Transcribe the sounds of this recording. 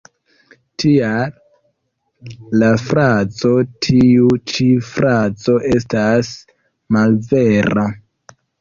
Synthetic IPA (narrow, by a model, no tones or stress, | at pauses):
tʰial | lafɾat͡so̞tʰiut͡ʃifɾat͡so̞ʔe̞stas | malve̞ɾa